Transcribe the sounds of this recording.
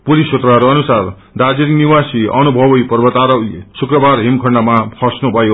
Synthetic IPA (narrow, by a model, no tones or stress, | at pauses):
pulisot̪raɦʌɾuʌnusar | d̪ad͡ziɾniwasiʌnubʱʌbʌjpʌrbʌt̪aɾʌwlesukrʌbarɦimkʰʌɳɖamapʰʌsnubʱʌjo